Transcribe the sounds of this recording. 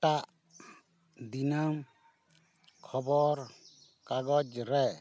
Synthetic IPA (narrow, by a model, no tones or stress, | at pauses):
ʈaʔ | d̪inam | kʰɔbɔɾ | kaɡɔd͡ʒɾɛ